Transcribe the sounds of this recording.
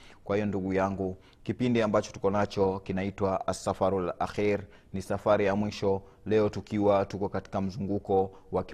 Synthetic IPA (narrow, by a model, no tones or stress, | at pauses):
kwahijɔnduɠujaŋɡu | kipindiambat͡ʃɔ̥tu̥kɔnat͡ʃɔkinaitwaʔasafaɾula̰xiɾ | nisafaɾijamwiʃɔ | lɛɔtukiwatukɔkati̥kam̩zuŋɡukɔ | wak